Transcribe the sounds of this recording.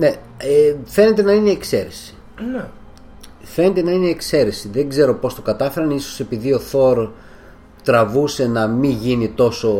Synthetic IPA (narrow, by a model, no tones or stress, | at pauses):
ne̞ | efe̞net̪e̞nɐineːkse̞ɾesi̥ | fe̞ne̞t̪e̞nɐineːkse̞ɾe̞siðeŋɡze̞ɾo̞po̞st̪o̞kɐt̪ɐfe̞ɾɐniso̞̥se̞piðio̞θo̞ɾ | t̪ɾɐvuse̞nɐmiʝinit̪o̞so̞